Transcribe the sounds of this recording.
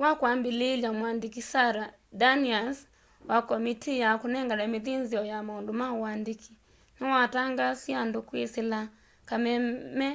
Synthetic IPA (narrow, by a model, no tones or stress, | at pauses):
wakwambilelamwandikisaɾa | danias | wakɔmitʰijakunɛŋɡalameðinziɔjamaondomawandikʰi | niwataŋɡasiandokwesila | kamɛmɛ